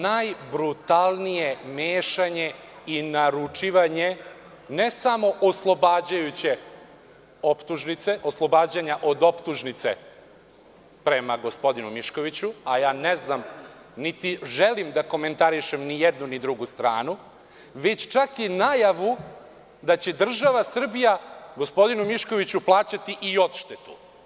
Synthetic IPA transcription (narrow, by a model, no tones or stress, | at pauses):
najbɾut̪alˠnije̞meːʃaɲe̞inaɾut͡ʂiʋaɲe | nesamo̞ʔoslˠo̞baːd͡ʑajut͡ɕe̞ | o̞pt̪uʒnit̪se̞ʔoslˠo̞baːd͡ʑaɲaʔo̞d̪o̞pt̪uʒnit̪sḛ | pɾe̞maɡo̞spo̞d̪inumiʃko̞ʋit͡ɕuajaːneznam | nit̪iʒelimd̪ako̞me̞nt̪aɾiʃemnijed̪nunid̪ɾuɡust̪ɾa̰ːnu | ʋe̞t͡ɕt͡ʃakinajaʋu | d̪at͡ɕe̞d̪r̩ʒaʋasr̩bijaɡospo̞d̪inumiʃko̞ʋit͡ɕuplˠaːt͡ɕat̪iʔiot̪ʃt̪et̪u̥